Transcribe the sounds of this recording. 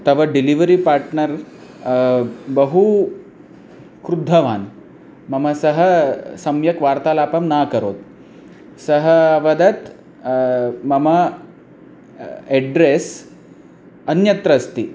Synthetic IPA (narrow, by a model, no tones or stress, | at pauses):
t̪ɐʋɐɖiliʋəɾipaɾʈnəɾ | bəɦu | kɾud̪ʱːɐʋa̰ːn | mɐmɐsɐɦəsɐmjɐkʋaɾt̪alaːpɐmnakəɾoːt̪̚ | sɐɦəʋɐd̪ɐt̪ | mɐmɐ | eɖɾes | ɐnjɐt̪ɾɐst̪i